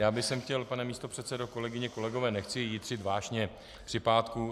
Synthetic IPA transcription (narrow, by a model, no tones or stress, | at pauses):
jaːbɪsɛmxcɛlpanɛmiːst̪opr̝̥ɛt̪t͡sɛdo̞ko̞lɛɡɪɲɛko̞lɛɡo̞vɛːnɛxt͡sɪjiːd̪r̝̥ɪt̪vaːʒɲɛ | pr̥ɪpaːt̪ku